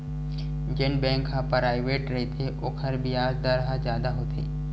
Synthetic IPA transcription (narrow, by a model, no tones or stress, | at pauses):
d͡ʒenbɛ̃ːŋkɦãpɾaːɪʋeːʈɾɐit̪ʰeʔokʰəɾbijaːzd̪aɾɦãd͡ʒjaːd̪aɦoːt̪ʰḛː